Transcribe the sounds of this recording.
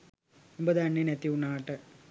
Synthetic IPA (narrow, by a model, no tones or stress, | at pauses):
umbɐðɨɐɳːinet̪ːiuɳːaːʈːɨ